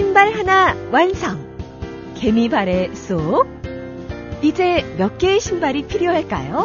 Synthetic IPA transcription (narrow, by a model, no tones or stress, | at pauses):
imbaɭhanawansʰaŋ | ke̞mibaɾe̞s͈o | id͡ʑe̞mjʌk͈eɕʰimbaɾipʰiɾjoɦaɭk͈a̰jo